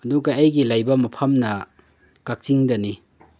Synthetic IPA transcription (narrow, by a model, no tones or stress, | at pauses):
ɐduɡɐːjɡilajbɐmɐpʰɐmnɐ | kak̚t͡ʃiŋdɐni